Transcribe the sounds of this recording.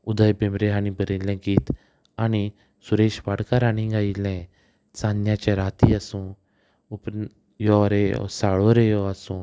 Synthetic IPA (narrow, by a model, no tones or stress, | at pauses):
ud̪əjbẽmɾeanibəɾĩlɛ̃ɡiːt̪ | ani | suɾeɕʋaɽkaɾaɽ̃ĩɡailɛ̃ | t͡sãnjãt͡ɕɛɾat̪iasũː | up | jɔɾḛsaɭoɾejɔasũː